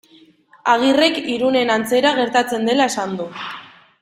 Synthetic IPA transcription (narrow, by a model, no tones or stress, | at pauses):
aɣ̞ire̞kiɾune̞nant͡se̞ɾaɣ̞e̞ɾt̪at͡se̞nd̪e̞lae̞sand̪u